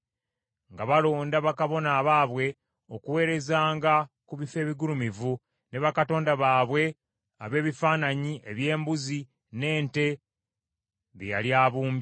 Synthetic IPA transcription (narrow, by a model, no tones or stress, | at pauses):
ŋɡaβalo̞ːndaβakaβo̞naːβaːβwe̞ | o̞kuwe̞ːɾe̞zaːŋɡa | kuβife̞ːβiɡulumivu | ne̞βakato̞ːndaβaːβwe̞ | a̰βe̞ːβifaːnaɲiʔe̞βje̞ːmbuzi | ne̞ːnte̞ | βeja̰ljaːβuːmb